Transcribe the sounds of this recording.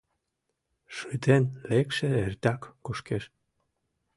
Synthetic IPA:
ʃyt̪enlekʃeert̪ɑkːuʃkeʃ

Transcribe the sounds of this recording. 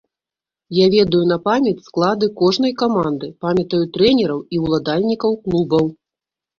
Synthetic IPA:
javʲɛd̪ɐjun̪ɐpamʲɛt͡sʲsklˠad̪ɨkɔʐn̪ɐjkamand̪ɨpamʲɐt̪ɐjut̪ɾɛnʲɛɾɐwiwlˠad̪alʲnʲikɐwklˠubɐw

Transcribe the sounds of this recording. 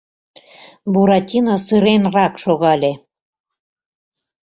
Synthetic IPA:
buɾɑtʲinɑsɯɾenrɑkʃoɣɑlʲe

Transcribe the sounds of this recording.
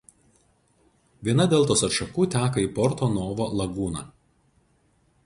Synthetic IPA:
ʋʲiɛnɐd̪ʲeːlˠt̪oːsɐt̪ʃɐkuːt̪ʲæːkɐiːpɔɾt̪oːnoːʋoːlˠɐɡuːnɑ̰ː

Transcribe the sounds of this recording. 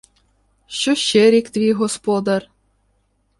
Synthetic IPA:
ɕoɕeɾʲikt̪vʲiɣospod̪ɑr

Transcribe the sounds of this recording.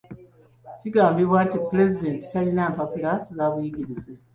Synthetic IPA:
ciɡaːmbiβwaːtipule̞zide̞ːnti̥talinaːmpafulaːsizaːβujiɟiɾize

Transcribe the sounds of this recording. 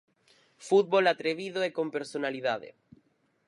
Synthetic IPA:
fut̪̚βolat̪ɾeβiðoekompeɾsonalið̞aðḛ

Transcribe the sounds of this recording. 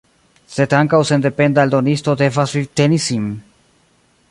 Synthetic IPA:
se̞d̪aŋkawse̞nd̪e̞pe̞nd̪ald̪o̞nist̪o̞d̪e̞vasvit̪enisin

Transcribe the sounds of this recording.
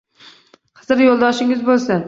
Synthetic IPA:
qʰɨzɾjolˠd̪ɒʃɪŋɪzbolˠsɪn

